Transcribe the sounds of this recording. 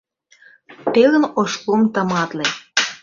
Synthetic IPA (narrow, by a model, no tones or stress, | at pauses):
t̪eɣə̆noʃkomt̪ɑmɑt̪le